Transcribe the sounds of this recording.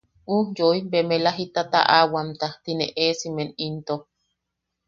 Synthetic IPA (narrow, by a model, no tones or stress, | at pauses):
ʔujoibemelaɦit̪at̪a̰ʔawamt̪at̪inḛʔesimenint̪o